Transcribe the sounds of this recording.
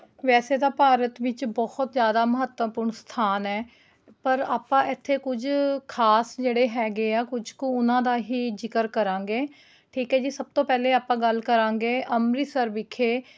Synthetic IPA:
ʋɛːseːd̪aːpaːɾət̪ʋɪt͡ʃbɔːht̪zjaːd̪aːməɦət̪əpʊːɾɳst̪ʰaːnɛː | pəɾaːpãːɪt̪ʰːeːkʊd͡ʒkʰaːsd͡ʒeːɽeːɦɛːɡeːaːkʊd͡ʒkõːʊnãːd̪aːɦiːd͡ʒɪkəɾkəɾãːŋɡeː | ʈʰiːkɦɛːd͡ʒiːsəb̚t̪õːpɛːleːaːpãːɡəlkəɾãːŋɡeːʔəmɾiːsəɾʋɪkʰːeː

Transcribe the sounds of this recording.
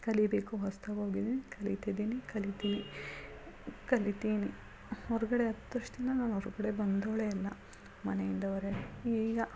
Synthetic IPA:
kɐlibeːkuɦɐst̪ɐoːɡid̪iːnikɐlit̪id̪iːnikɐlit̪iʋi | kɐlit̪iːni | ɔɾuɡɐɽeɐt̪ːɐʂt̪ind̪ɐnaːnɐɾuɡɐɽe̞bɐnd̪oːɭeɐlːɐ | mɐnejind̪ɐʋɐɾeiːɡɐ

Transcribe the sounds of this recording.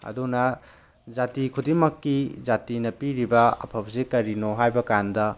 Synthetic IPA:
ɐ̰dunɐ | zatikʰudimɐkːizatinɐpiɾibɐɐ̰pʰɐp̚sikɐɾinoɦajbɐkandɐ

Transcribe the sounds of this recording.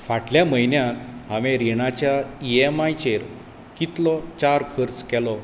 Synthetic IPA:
faʈljaməjnjãt̪ɦaʋẽɾiɳat͡ɕjaiemajt͡ɕeɾ | kit̪lɔt͡ɕaɾkʰəɾt͡skɛlɔ

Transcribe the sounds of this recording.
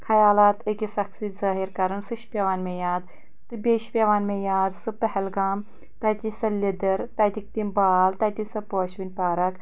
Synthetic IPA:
kʰɐjaːlaːt̪ɨkisɐksizaːɦiɾkɐɾɐnsɨʃpʲɐʋaːnmejaːd̪ | t̪ɨbʲeːʃpʲeʋaːnmẽːjaːd̪sɨpɐɦɛlɡaːm | t̪ɐːjt̪ʲisɐlʲid̪ɐɾt̪ɐːjt̪ik̚t̪imbaːlt̪ɐːjt̪insɐpoːʃʋinʲpaːɾɐk

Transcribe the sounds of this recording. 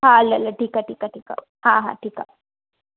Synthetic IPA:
ɦaɐlɐlɐʈiːkaʈiːkaʈiːka̰ | hãɦa̰ːʈiːka̰

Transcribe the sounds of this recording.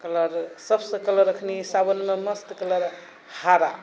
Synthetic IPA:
kələɾsəbsə̃kələɾəkʰnisabənmeməst̪kələɾ | haɾa

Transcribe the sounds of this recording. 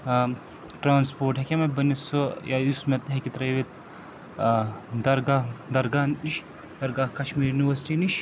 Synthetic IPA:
ʈɾaːnspoːɾʈɦekʲemɐbɐnisojaːusmet̪ɦekit̪ɾɐjʋet̪̚ | d̪ɐɾɡaːɦd̪ɐɾɡaːniʃ | d̪ɐɾɡaːhkɐʃmiːɾjuniʋɐɾsi̥ʈiːniʃ

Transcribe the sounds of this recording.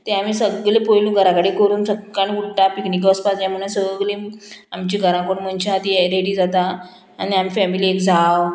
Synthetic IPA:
t̪ẽamisəɡlẽpojlũɡʱəɾãkaɽikəɾuːnsəkːañĩuɽʈapiknikəspasjãm̤uɳ̃ãsəɡlẽamt͡ɕĩɡʱəɾãkəɽũmənɕãat̪ieɾeɽid͡zat̪aː | niamifɛmiliekd͡zʱaw

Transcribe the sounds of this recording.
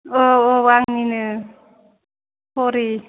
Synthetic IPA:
oowaŋninɯ | poɾi

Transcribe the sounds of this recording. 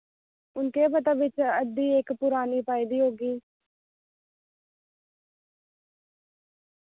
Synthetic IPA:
ʊnkeːpət̪ãːʋɪt͡ʃəd̪iːekpʊɾaːniːpaːiːd̪iːɦoːɡiː

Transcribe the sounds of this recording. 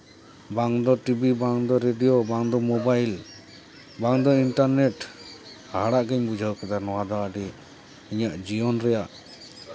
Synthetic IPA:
baŋd̪ɔʈibibaŋd̪ɔɾeɖijɔbaŋd̪ɔmɔbajl | baŋd̪ɔinʈaɾnɛʈ | haɽaʔɡɛɲbud͡ʒʱawkad̪anɔwad̪ɔaɖi | iɲaʔd͡ʒiɔnɾɛjaʔ

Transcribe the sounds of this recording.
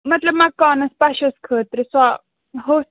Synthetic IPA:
mɐt̪lɐbmakaːnɐspaʃɐskʰəːt̪ɾiswa | ɦos

